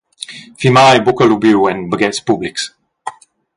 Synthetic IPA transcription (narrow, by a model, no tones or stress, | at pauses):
fimajbʊkəlubjuɛ̃nbəɡɛtspʊblɪks